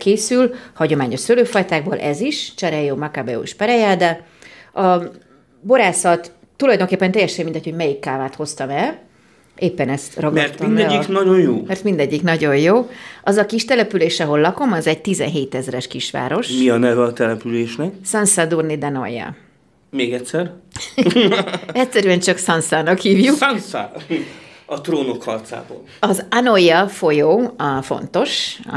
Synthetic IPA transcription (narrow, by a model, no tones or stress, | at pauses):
keːsylhɒɟo̞maːɲo̞ʃsøløːfɒjt̪aːɡ̚bo̰ːlʔɛziʃt͡ʃɛɾɛjoːmɒkabɛṵʃpɛɾɛjaːd̪ɛ | ɒ | bo̞ɾaːsɒt̪ː | ulɒjd̪oŋkeːpːɛnt̪ɛjːɛʃɛmind̪ɛcho̞ɟmɛjikːaːvaːt̪ho̞st̪ɒmɛl | ʔeːpːɛnɛst̪rɒɡmɛrt̪t̪minb̪ɛɟːiknɒɟonjoːmɛrt̪mind̪ɛɟːiknɒɟo̞jjoːʔɒzɒkiʃt̪ɛlɛpyleːʃɛɦo̞lːɒko̞mɒzɛɟ̚t̪izɛ̰nɦeːt̪ɛzrɛʃkiʃʋa̰ːɾo̞ʃmiɒnɛvɛɒt̪ɛlɛpyleːʃnɛksɒnsad̪urnid̪ɛno̰jːɛ̰ | meːɡɛtʲsɛr | ɛcʲsɛɾyɛnt͡ʃɒksɒnsaːnɒkhiːvjuksɒnsa̰ː | ɒt̪roːno̞khɒ̰rt̪sa̰ːbo̰ːlɒzanojɛfo̞joːfo̞̰nt̪o̞ʃ